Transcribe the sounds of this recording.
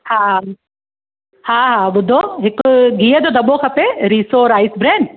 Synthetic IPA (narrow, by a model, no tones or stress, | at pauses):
haː | hãːɦãːɓʊd̪ʱoɦɪkɡʱiːəd͡ʑoːd̪ɐɓokʰɐpeɾiːsoɾaːisbɾeːn